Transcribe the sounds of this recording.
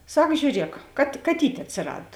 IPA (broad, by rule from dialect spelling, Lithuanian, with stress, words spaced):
ˈsɐk ʒʲuːˈrʲiɛk kɐt kɐˈtʲiːtʲ ɐtʲsʲɪˈrɐt